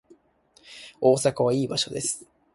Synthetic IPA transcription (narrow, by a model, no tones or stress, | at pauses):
o̞ːsakaβ̞aiːbaɕo̞d̪e̞sɨ̥